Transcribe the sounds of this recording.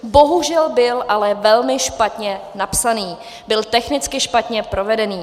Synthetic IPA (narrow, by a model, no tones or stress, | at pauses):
bo̞ɦuʒɛlbɪlʔalɛvɛlmɪʃpat̪ɲɛnapsaniː | bɪlt̪ɛxnɪt͡skɪʃpat̪ɲɛpɾo̞vɛdɛniː